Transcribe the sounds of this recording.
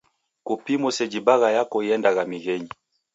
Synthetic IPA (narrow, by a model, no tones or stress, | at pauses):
kupimusɛd͡ʒibaɣajakɔiɛndaɣamiɣɛɲi